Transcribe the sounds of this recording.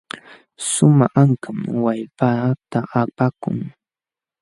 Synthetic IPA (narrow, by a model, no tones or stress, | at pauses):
sʊmaaŋkamwajpat̪aapakʊ̰ŋ